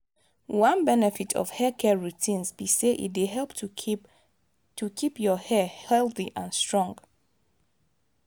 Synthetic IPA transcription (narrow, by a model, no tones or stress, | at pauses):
wãnbɛnɛfitʰɔ̰v̥hɛkʰɛɹutʰĩnzbiseʔḭt̚deɦɛlpt | tʰukʰipjɔhɛhɛlˠθiʔãnstɹ̥ɔ̃ŋɡ